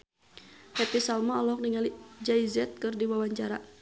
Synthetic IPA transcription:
hɛp̪isalmaɔlɔk̚niŋalid͡ʒaizɛt̪̚kɨrdiwawaɲt͡ʃaɾa

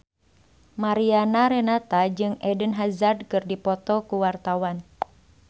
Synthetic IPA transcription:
maɾianaɾɛnat̪ad͡ʒɨŋɛdənɦazardkɨrdipɔt̪ɔkuwart̪awan

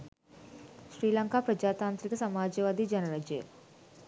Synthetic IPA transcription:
ʃɾiːlɐŋkaːpɾɐd͡ʒaːt̪aːnt̪ɾikɐsɐmaːd͡ʒeʋaːd̪id͡ʒɐnɐɾad͡ʒḛ

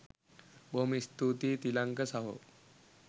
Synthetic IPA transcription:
bʱomist̪ut̪iːt̪ilaŋkəsaɦo̰

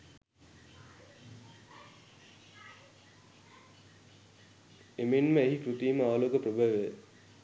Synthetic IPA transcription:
emenməeɦikɾut̪iːməaːloːɡəpɾəbəʋe

